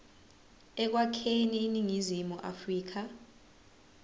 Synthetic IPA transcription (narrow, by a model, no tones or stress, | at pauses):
ɛk̬wakʰeniːniŋizimuʔa̰friːk̬ʰa